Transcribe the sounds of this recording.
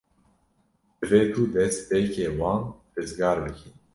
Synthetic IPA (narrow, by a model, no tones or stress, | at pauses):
d̪ɨveːt̪uːd̪ɛspeːkeːwɑːnrɨzɡɑːɾbɨkin